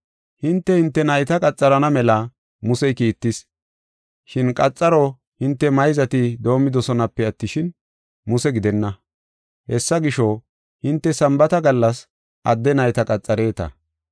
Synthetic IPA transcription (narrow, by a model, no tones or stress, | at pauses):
hɪnt̪ːɛhɪnt̪ːɛnɐjt̪ɐkʼɐt͡sʼːɐɾɐnɐmɛlɐ | mʊsɛjkiːt̪ːɪs | ʃɪnkʼɐt͡sʼːɐɾɔ | hɪnt̪ːɛmɐjzɐt̪ɪd̪o̞ːmːɪd̪ɔsɔnɐpːɛɐt̪ːɪʃɪn | mʊsɛɡɪd̪ɛnːɐ | hɛsːɐɡɪʃɔ | hɪnt̪ːɛsɐmbɐt̪ɐɡɐlːɐs | ʔɐd̪ːɛnɐjt̪ɐkʼɐt͡sʼːɐɾe̞ːt̪ɐ̰